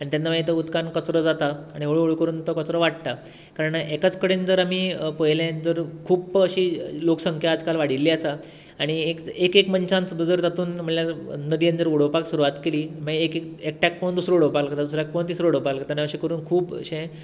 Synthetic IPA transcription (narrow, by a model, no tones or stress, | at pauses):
aɽ̃it̪anːaʋaet̪əut̪kankət͡sɾəd͡zat̪aːɽ̃ioɭoɭkəɾuːnt̪ɔkət͡sɾɔʋaɽt̪a | kaɾəɳʔekat͡skəɽend͡zəɾamiːpəɦjlẽd͡zəɾkʰuːbəɕiloksəŋkʰjaːd͡zkalʋaɽ̤ilːiasa | aɽ̃iekekekməɲt͡ɕãnt͡sd̪ud͡zəɾt̪at̪uːnm̤əɳljanəd̪ijə̃nd͡z̪əɾuɽ̤opaksuɾuʋat̪keliːməekekekʈak̚pə̃nd̪usɾəuɽ̤opaklkt̪ad̪usɾak̚pəunt̪isɾəuɽ̤əpaklkət̪aniəɕikəɾuːnkʰuːbə̰ɕẽ